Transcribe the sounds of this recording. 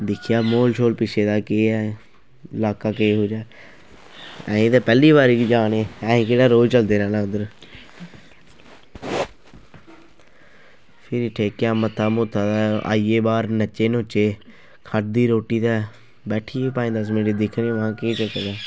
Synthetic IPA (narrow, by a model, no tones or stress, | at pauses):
d̪ɪkʰɪjaːmoːlt͡ʃʰoːlpɪt͡ʃʰeːd̪aːkeːɛ | ɪlaːkaːkeːɦoːd͡ʒaː | ɛ̰̃ːẽːd̪aːpɛːliːbaːɾid͡ʒaːneːɛ̃ːkeːɽaːɾoːd͡ʒt͡ʃəld̪eːɾɛːnãːʊd̪əɾ | pʰɪɾiːʈʰeːkːjãːmət̪ʰːaːmʊt̪ʰːaːd̪aːa̰ːiːeːbaːɾnət͡ʃːeːnõːt͡ʃeː | kʰəʈ̚d̪iːɾoːʈiːt̪ɛː | bɛːʈʰiːpaːĩːd̪əsmɪnʈiːd̪ɪkʰɾ̃ʋãːkeːt͡ʃəkəd̪aː